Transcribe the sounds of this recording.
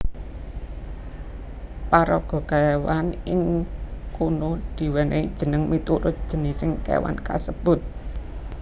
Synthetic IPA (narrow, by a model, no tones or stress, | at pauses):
paɾɔɡ̥ɔ̤ɡ̥aewanɪŋkunod̪̥i̤wɛneid̥ʒ̥ə̤nəŋmit̪uɾʊt̪̚d̥ʒ̥ə̤nɪsɪŋkḛwa̰nka̰səb̥ʊ̤t̪̚